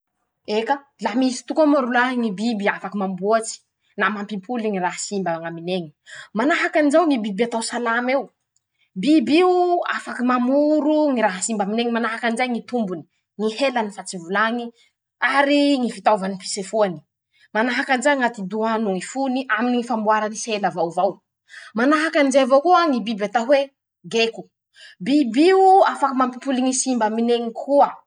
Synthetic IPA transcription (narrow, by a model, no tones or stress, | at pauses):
eka | lamisi̥t̪ukamaɾulaɦŋibibiafakimambuat͡si̥ | namampimpʰuliŋiɾaɦasimbaŋamineŋi̥manaɦakanizawŋibibiat̪awsalamew | bibiua̰fakimamuɾuŋiɾaɦasimbamineŋimanaɦakanzajŋit̪umbuni̥ | ŋihelanifat͡sivulaŋi | aɾiŋifit̪awvanipi̥sefuani̥ | manaɦakanzajŋat̪id̪uanuŋifuniʔaminiŋifambuaɾaniselavawvaw | manaɦakanizajvowkuaŋibibat̪aɦwe | ɡeku | bibiuafakamampupuliŋisimbamineŋikʰuə